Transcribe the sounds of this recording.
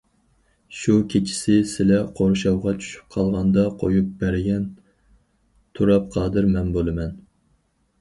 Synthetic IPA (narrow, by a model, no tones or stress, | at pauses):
ʃukʲʰet͡ʃʰi̥sɪsɪlɛqʰoɾʃɑwʁɑt͡ʃʰy̥ʃy̥p̚qʰɑlˠʁɑnd̪ɑqʰojup̚bɛɾɡʲɛn | t̪ʰuɾɑp̚qʰɑːd̪ɨɾmɛnbolˠɨmɛn